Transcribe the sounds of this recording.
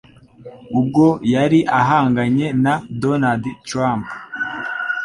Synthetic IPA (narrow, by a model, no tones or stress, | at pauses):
ub̚ɡo̞jaɾiʔaɦaːŋɡaɲe̞nadonadtɾamp